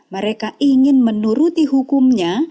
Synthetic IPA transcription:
məɾekaiŋɪnmənuɾut̪iɦukumɲa

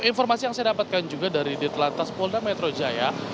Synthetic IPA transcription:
infɔrmasijaŋsajadapat̪̚kand͡ʒuɡadaɾidit̪lant̪aspɔldamɛt̪ɾod͡ʒaja

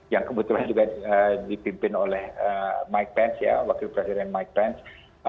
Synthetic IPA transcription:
jaŋkəbut̪uland͡ʒuɡaədipimpɪnolɛhəmajk̚pɛnsja̰wakɪlpɾesidɛnmajk̚pɛns

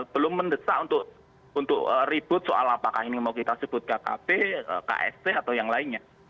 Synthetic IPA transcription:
b̥əlʊmːəndəsa̰ʔunt̪ʊʔ | unt̪ʊʔərib̥ʊt̪̚soa̰lapakainimawkit̪asəb̥ʊt̪̚kakabeə̰ka̰ʔɛ̰st̪eat̪awjaŋlaɪnɲa

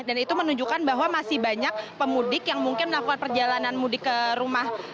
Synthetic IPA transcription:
danit̪umənuɲd͡ʒukanbaɦwamasɪhbaɲak̚pəmudɪkjaŋmuŋkɪnməlakukanpərd͡ʒalananmudɪkːəɾumah

